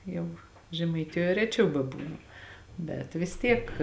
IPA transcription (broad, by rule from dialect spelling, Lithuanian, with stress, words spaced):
ˈjɛʊ ʒʲɛmɐɪˈtʲɪjoːj ˈrʲæːˌt͡ʃʲɛʊ bʲɛˈbuːnʊ ˈbʲɛt ʋʲɪs ˈtʲiɛk